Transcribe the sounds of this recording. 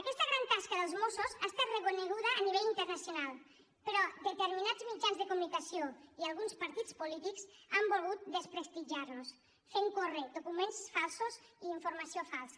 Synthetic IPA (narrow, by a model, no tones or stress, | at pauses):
əkɛst̪əɣɾaŋt̪askəðəlˠzmosuzaːst̪at̪rəkunəɣ̞uðəːniβɛʎint̪əɾnəsjonalˠ | pəɾɔd̪ət̪əɾminazmid͡ʒanzðəkumunikəsioialˠɣunspəɾt̪it͡spulit̪iksambolˠɣut̪̚d̪əspɾəst̪iʒaɾnus | feŋkored̪ukumensfalˠsuziːiɱfuɾmasiofalˠs